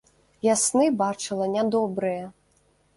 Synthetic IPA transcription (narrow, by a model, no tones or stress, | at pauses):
jasnɨbat͡ʂɨlˠɐnʲad̪ɔbɾɨjɛ